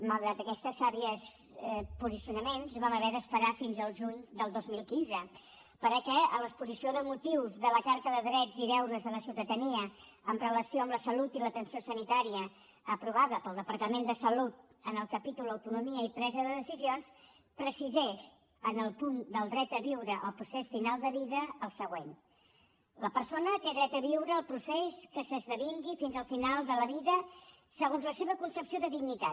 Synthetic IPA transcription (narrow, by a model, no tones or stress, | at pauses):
məlˠd̪ɾat̪əkɛst̪əsːaβiəs | puzisiunəmenzβaməβɛðəspəɾafinzəlˠʒuɲd̪əlˠd̪ozmilˠkinzə | pəɾəkɛələkspuzisioðəmut̪iwzðələkaɾt̪əðəðɾɛd͡ziðɛwðəzðələsiwt̪əðəniə | əmrələsioəmləsəlut̪ilət̪ənsiosənit̪aɾiəː | pɾuβaðəpəlˠd̪əpəɾt̪əmend̪əsəlut̪̚ | ənəlˠkəpit̪ulˠd̪əwt̪unumiəipɾɛzəðəðəsizions | pɾəsizɛʃ | ənəlˠpund̪əlˠd̪ɾɛt̪əβiwɾəʔə̰lˠpɾusesfinalˠd̪əβiðəːlˠsəɣwen | ləpəɾsonəkeðɾɛt̪əβ̞iwɾəːlˠpɾuseskəsəzðəβiŋɡifinzəlˠfinalˠd̪ələβiðə | səɣonzləseβəkunsəpsioðəðiɡnit̪a